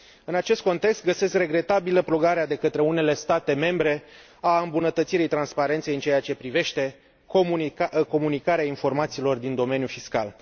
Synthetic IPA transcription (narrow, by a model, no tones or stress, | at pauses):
ɨnat͡ʃe̞st̪̚ko̞nt̪e̞kst̪ɡəse̞skre̞ɡɾe̞t̪abiləpɾo̞ɡaɾead̪e̞kət̪ɾe̞une̞le̞st̪at̪e̞me̞mbɾe̞ | aɨmbunət̪ət̪siɾijt̪ɾanspaɾe̞nt̪se̞jɨnt͡ʃeeat͡ʃe̞pɾive̞ʃt̪e̞ | komko̞munikaɾeainfo̞rmat̪siːlo̞rd̪ind̪o̞me̞njufiska̰l